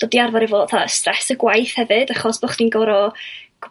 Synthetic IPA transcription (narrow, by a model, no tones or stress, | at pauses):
d̥oːbdiarvaɾivoːdθastrɛsəɡwajθhɛvɨd̥aχɔsb̥ɔχd̥inɡɔɾɔɡ̥